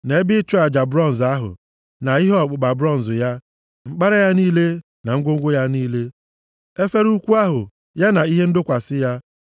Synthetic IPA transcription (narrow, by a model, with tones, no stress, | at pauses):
ne˨˦bɪ˦t͡ʃɔ˦a˨d͡ʒa˨bɾɔ˦n̩˨za˦ɦʊ̰˨ | na˨i˦ɦe˦ɔ˨k͡pʊ˨ɡ͡ba˨bɾɔ˦˨n̩˨zʊ˨ja˦ | ŋ͡m̩˨k͡pa˦ɾa˦ja˦niː˦le˦ | na˨ŋ̩˦ɡʷo˦ŋ̩˦ɡʷʊ˦ja˦niː˦le˦ | e˦fe˦ɾu˦kʷu˦a˦ɦʊ˨ | ja˦na˨i˦ɦe˦n̩˦dʊ˦kʷa˨sɪ˦ja˦